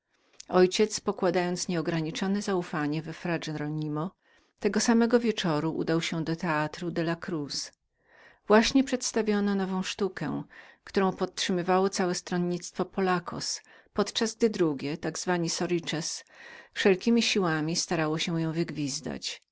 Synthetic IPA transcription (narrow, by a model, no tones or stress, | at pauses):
ɔjt͡ɕɛt̪spɔkwad̪ajɔnt̪sɲɛɔɡɾaɲit͡ʂɔnɛzaufaɲɛvɛfɾad͡ʐɛɾɔɲimɔ | t̪ɛɡɔsamɛɡɔvʲjɛt͡ʂɔɾuʔṵd̪awɕɛd̪ɔt̪ɛat̪ɾud̪ɛlakɾus | vwaɕɲɛpʂɛt̪st̪avʲjɔnɔnɔvɔ̃w̃ʂt̪ukɛ̰kt̪uɾɔ̃w̃pɔt̪̚tʂɘmɘvawɔt̪sawɛst̪ɾɔnɲit̪st̪fɔpɔlakʰɔ̰s | pɔt̪t͡ʂazɡ̚d̪ɘd̪ɾuɡʲjɛt̪aɡzvaɲisɔɾit͡ʂɛsfʂɛlkʲimʲiɕiwamʲist̪aɾawɔɕɛ̃jɔ̃w̃vɘɡvʲizd̪a̰t͡ɕ